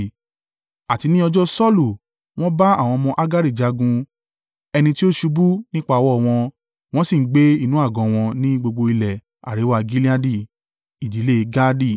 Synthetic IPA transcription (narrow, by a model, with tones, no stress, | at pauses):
a˨ti˧nĩ˦ɔ˧d͡ʒɔ˦sɔ˦lu˨ | w̃ɔ̃˦ba˦a˦˨w̃ɔ̃˧mɔ̃˧ʔa˦ɡa˦ɾi˦˨d͡ʒa˨˧ɡũ˧ | ɛ˧nĩ˧ti˦o˦ʃu˧bu˦nĩ˦k͡pa˧˨˧wɔ˦˨w̃ɔ̃˧ | w̃ɔ̃˦si˦˨n̩˦ɡ͡be˦i˦˨nũ˨˦a˦˨ɡɔ̃˨w̃ɔ̃˧nĩ˦ɡ͡bo˧ɡ͡bo˧i˧lɛ˨ | a̰˨ɾe˨˦wa˦˧ɡi˦li˦a˦di˦˨ | i˨d͡ʒi˨˦le˦˧˦ɡa˦di˦˨